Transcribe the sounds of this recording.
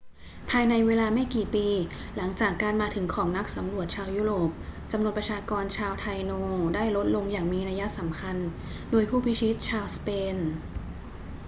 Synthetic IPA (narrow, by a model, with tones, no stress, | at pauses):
pʰaː˧jna˧jweː˧laː˧ma˥˩jkiː˨˩piː˧ | la˩˦ŋt͡ɕaː˨˩kːaː˧nmaː˧t̪ʰɯ˩˦ŋkʰɔː˩˦ŋna˦˥k̚sa˩˦mɾu˨˩ət̪̚t͡ɕʰaː˧wjuː˦˥ɾoː˨˩p̚t͡ɕa˧mnu˧˩ənp̚ɾa˧t͡ɕʰaː˧kɔː˧nt͡ɕʰaː˧wt̪ʰa˧jnoː˧daː˥˩jlo˦˥t̪̚lo˧ŋjaː˨˩ŋmiː˧na˧ja˦˥sa˩˦mkʰa˧n | doː˧jpʰuː˥˩pʰi˦˥t͡ɕʰi˦˥t̪̚t͡ɕʰaː˧wspeː˧n